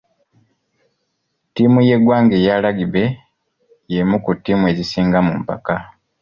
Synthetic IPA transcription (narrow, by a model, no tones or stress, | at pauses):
timuje̞ɡwaːŋɡe̞jalaɡiβe̞ | jemukutːimue̞zisiːŋɡamumpa̰ka